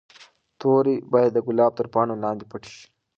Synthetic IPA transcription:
t̪oːɾibaːjad̪ːəɡʊlɑːb̚t̪əɾpɑːnolɑ̃ːnd̪ipɐʈi̥ʃi̥

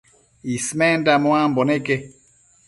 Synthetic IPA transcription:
ismɛndamɔambɔneke

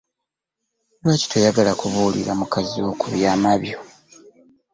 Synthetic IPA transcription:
lwaːci̥tʰojaɡalakuβuːlḭɾamukaziokuβjaːmaβjo̞

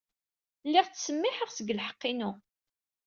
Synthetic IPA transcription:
lːiʁt͡sːsəmːɪħəʁsəɡəlħə̥qːinu

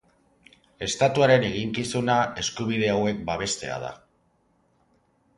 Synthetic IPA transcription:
e̞st̪at̪uaɾe̞ne̞ɣ̞iŋkisunae̞skuβ̞ið̞e̞awe̞k̚baβ̞e̞st̪e̞a̰ð̞a̰

